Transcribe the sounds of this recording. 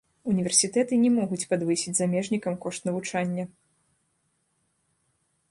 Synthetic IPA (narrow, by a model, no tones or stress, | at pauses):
unʲivʲɛrsʲit̪ɛt̪ɨnʲɛmɔɣut͡sʲpad̪vɨsʲid͡zʲzamʲɛʐnʲikɐmkɔʂt̪nɐvut͡ʂanʲːɐ